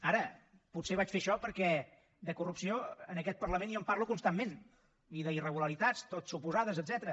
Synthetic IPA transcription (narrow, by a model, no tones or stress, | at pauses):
aɾəputseβ̞at͡ʃfeʃɔpəɾkɛ | d̪əkurupsioənəkɛt̪̚pərləmenjɔmparlukunst̪amːen | iðəirəɣuləɾit̪ast̪ot̪supuzaðəzəd̪zɛt̪əɾə